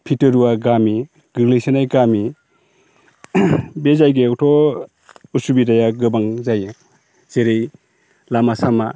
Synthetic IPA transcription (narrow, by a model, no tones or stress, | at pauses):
pʰitɯɾuwaɡami | ɡ̥ɯɾlejsenajɡami | bezajɡeɔtʰɔ | usubidajaɡɯbaŋzaj | z̥eɾej | lamasama